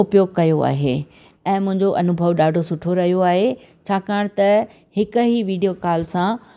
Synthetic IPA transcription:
ʊpjoːɡ̚kɐjoa̰ːɦe | ɛ̃ːmʊ̃ɦɪ̃ɲd͡ʑoʔɐnʊbʱəʋɗaːɖʱosʊʈʰoɾɐɦijoaːɦe | t͡ɕʰaːkaːɽ̃t̪ɐ | hɪkʊɦiʋiːɖijokaːlsã

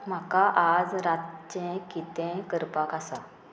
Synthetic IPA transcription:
m̤akaʔad͡zɾat̪t͡ɕɛ̃kit̪ɛ̃kəɾpakasa

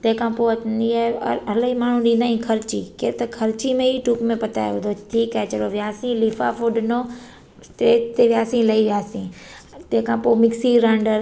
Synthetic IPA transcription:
t̪ɐ̃ɦkʰãːpoːɐniaɐləimaːɳ̤ũɗĩːnd̪aːĩkʰɐɾt͡ɕiːkeːɾt̪ɐkʰɐɾt͡ɕimẽɦiʈuːkmẽpɐt̪a̰jʋd̪ʱoʈʰiːkɛt͡ʃɐɽoʋjaːsĩliːfa̰fuɖno | t̪eːt̪eʋjaːsĩlɐiʋɪjaːsĩ | t̪ẽːkʰãːpoːmɪksiɾãːɳɖəɾ

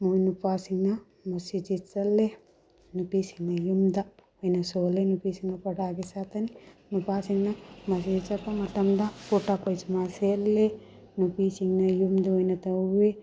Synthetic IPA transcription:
muinupaːsiŋnɐ | mɐsit͡ʃit͡sːɐlːe | nupiːsiŋnɐjumd̪ɐ | ojnɐsoːlenupiːsiŋnɐpɐɽaːɡisat̪ɐninupaːsiŋnɐmɐs̬it͡ʃɐpːɐmɐt̪ːɐmd̪ɐpuʈːapɐjt͡ʃmaseɐlːe | nupiːsiŋnɐjumd̪uojnɐt̪ɐe

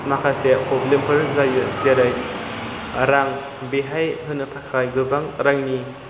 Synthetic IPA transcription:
makʰasepʰɔblempʰɯɾzajɯzeɾaj | ɾaŋ | beɦajɦɯnːɯtʰakʰajɡɯbaŋɾaŋni

